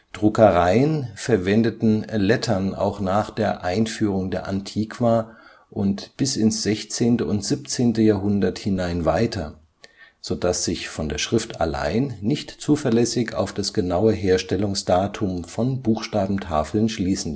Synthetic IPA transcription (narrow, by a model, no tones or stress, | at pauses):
d̥ʁʊkəʁaɪənfɛɐvɛndətn̩lɛtʰɐna̰ʊxnaːχd̥eːɐʔaɪnfyːʁ̞ʊŋdeːɐʔantʰiːkv̥aː | ʔʊntb̥ɪsɪnsz̥ɛçt͡seːntəʊntz̥ip̚t͡seːntəjaːɦʊndɐthɪnaɪnvaɪtʰɐ | z̥od̥asz̥ɪçfɔndeːɐʃʁ̥ɪftʰa̰la̰ɪnːɪçtt͡suːfɐlɛsɪça̰ʊfd̥asɡ̥ənaʊəɦeːɐʃtɛlʊŋsd̥aːtʰʊmfɔnbuːxʃtaːbm̩tʰa̰ːfl̩nʃliːsn̩